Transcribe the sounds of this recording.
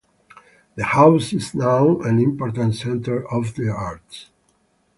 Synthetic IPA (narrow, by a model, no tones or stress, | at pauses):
ðəhaʊsɪznaʊæ̃nĩmpɔɹt̪ãntsɛ̃nt̪ə˞ɔvðiaɹts